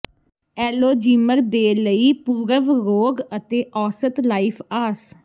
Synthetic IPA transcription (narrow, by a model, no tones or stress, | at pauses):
ɛːloːd͡ʒiːməɾd̪eːləiːpuːɾəʋɾoːɡət̪eːʔɔːsət̪laːipʰaːs